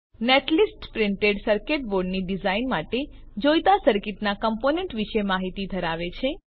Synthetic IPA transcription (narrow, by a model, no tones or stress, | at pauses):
neʈlisʈpɾɪɳʈeɖsəɾkeʈ̚boɾɖniɖizainmaʈe | d͡ʒojt̪asəɾkɪʈnakəmponeɳʈʋiʃemaɦit̪id̪ʱəɾaʋet͡ʃʰe